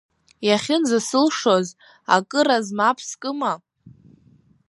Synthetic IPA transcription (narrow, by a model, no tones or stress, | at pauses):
jaχʲɪnzasɨlʂoz | a̰kʼɨɾazmapʰskʼɨma